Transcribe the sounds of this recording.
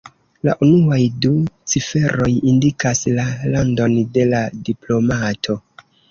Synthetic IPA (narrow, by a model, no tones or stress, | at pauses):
la̰ʔunuajdut͡sife̞ɾo̞jindikaslalando̞nde̞ladiplo̞matʰo̞